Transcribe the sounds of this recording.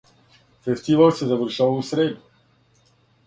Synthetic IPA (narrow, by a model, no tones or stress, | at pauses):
fɛst̪ivalˠsɛzavəɾʃavalusɾɛd̪i